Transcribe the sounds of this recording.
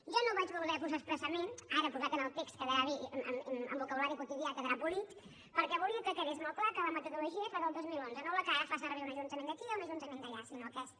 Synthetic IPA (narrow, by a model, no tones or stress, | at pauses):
ʒɔnoβad͡ʒβəllɛfuzəspɾəsəmenaɾəpuðat̪ənəlˠt̪ekskəðəɾaβḭmmə̰mbukəβulaɾikut̪iðiakəðɾabulit̪ | pəɾkɛβulˠiəkəkəɣezmolˠklakələmət̪əðuluʒiəfaðəlˠd̪ozmilˠonzənolakaɾəfasərβeunəʒunt̪əmend̪əkiunəʒunt̪əmẽnd̪əʎasinokɛs